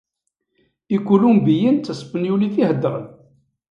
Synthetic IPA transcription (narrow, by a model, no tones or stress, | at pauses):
ikʷːulumbijənt͡sːəsfənjuliθihəd̪ːəɾˤə̰n